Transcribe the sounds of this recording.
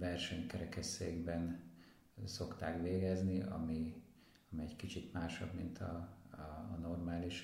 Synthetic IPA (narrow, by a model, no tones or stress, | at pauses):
ʋɛrʃɛɲkɛɾɛkɛseːɡbɛn | so̞kt̪aːkʋeːɡɛzniʔɒ̰mi | ɒmiɛɟkit͡ʃit̪maːʃɒ̰bmint̪ʰɒ | no̞rmaːliʃ